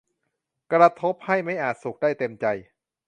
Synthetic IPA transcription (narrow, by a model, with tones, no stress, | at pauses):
kɾa˧t̪ʰo˦˥p̚ha˥˩jma˥˩jʔaː˨˩t̪̚su˨˩k̚daː˥˩jt̪e˧mt͡ɕa˧j